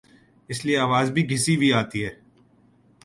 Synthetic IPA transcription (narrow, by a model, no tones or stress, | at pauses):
ɪslieaːʋaːzbʱiɡʱɪsibʱiaːt̪iɦɛː